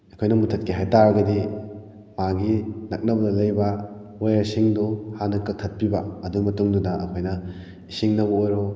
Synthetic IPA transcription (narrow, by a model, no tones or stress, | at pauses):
ɐkʰojnɐmutʰɐt̚kiɦajtaɾɐɡɐdi | maɡinɐk̚nɐbɐdɐlɐjbɐ | ojaɾsiŋduhanɐkɐtʰɐt̚pibɐɐduɡmɐtuŋdunɐʔɐ̰kʰojnɐ | isiŋnɐbɐojɾo